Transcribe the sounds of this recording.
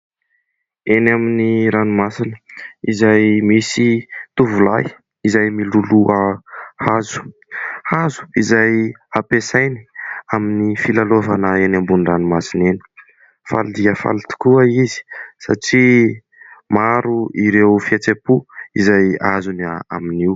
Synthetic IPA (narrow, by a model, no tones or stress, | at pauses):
enaminiɾanumasinə̥izajmisit̪uvulaj | izajmiluluəhazu̥hazu̥izajapesajni̥aminifilalovanəenambunranumasineni̥ | fa̰lid̪iəfa̰lt̪u̥kuəizi̥sa̰ʈ͡ʂi | maɾuiɾewfiet͡sepuizajazuna̰miniw